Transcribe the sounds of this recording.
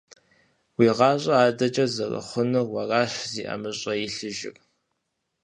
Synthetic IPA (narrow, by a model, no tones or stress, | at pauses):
wiːʁɑːɕʼɐaːdɐt͡ʃʼɐzɐrɐ̰χʷʊnɨrwɐrɑːɕziːʔɐ̰mɨɕʼɐjɪɬɨʒɪ̰k